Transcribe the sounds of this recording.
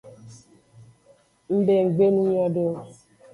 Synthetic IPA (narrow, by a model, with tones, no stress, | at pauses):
m̩˦be˨ŋ͡m̩˨ɡ͡be˦nu˦ɲɔ˦do˦